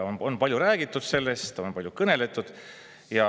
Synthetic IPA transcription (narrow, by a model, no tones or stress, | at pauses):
ononpɑlʲjuɾæːɡ̥it̪ːˑud̪̥se̞lːe̞st̪t̪ːɑo̞npɑljukɤne̞le̞t̪ːˑud̪̥ | jɑ